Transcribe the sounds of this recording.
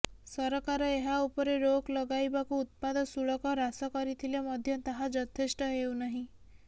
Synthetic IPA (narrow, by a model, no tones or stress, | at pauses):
sɔɾɔkaɾɔeɦaupɔɾeɾoklɔɡajbakuːt̪̚pad̪ɔsuɭɔkɔɾasɔkɔɾit̪ʰilemɔd̪ʱjɔt̪aɦad͡ʒɔt̪ʰesʈɔɦewnaɦĩ